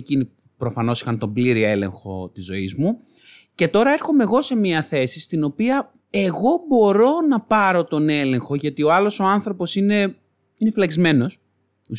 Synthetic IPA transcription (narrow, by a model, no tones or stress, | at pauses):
cini | pɾo̞fɐno̞si̥xɐnt̪o̞mbliɾie̞le̞̰ŋxo̞̰t̪izːo̞̰izmu | ce̞t̪o̞ɾɐeɾxo̞meɣo̞se̞miɐθe̞sist̪ino̞piɐ | e̞ɣo̞bo̞ɾo̞nɐpɐɾo̞t̪o̞ne̞le̞ŋxo̞ʝɐt̪io̞ɐlo̞so̞ɐnθɾo̞po̞sine̞ | inefilɐczme̞no̞s | u